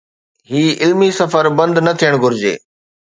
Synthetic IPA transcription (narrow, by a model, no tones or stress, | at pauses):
ɦiːɪlmisɐfəɾbɐ̃nd̪nɐt̪ʰijəɽ̃ɡʱʊɾɪd͡ʑḛː